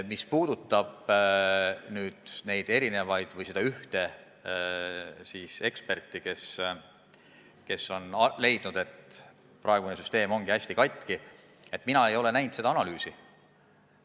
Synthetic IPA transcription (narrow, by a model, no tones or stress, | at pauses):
mispuːd̪ut̪ːˑɑb̥ | nyːd̪̥ne̞jd̪̥e̞ɾine̞vɑjd̪̥vɤjse̞d̪ɑyht̪e̞ | siːse̞kspe̞rt̪ːˑike̞s | ke̞sːo̞nle̞jd̪̥nud̪̥e̞t̪ | prɑeɡ̥unesyst̪e̞ːmo̞ŋɡ̥iæsʲt̪ikɑjt̪ˑki | e̞t̪ːˑminɑe̞jo̞le̞næjnt̪se̞d̪ɑɑnɑlyːsi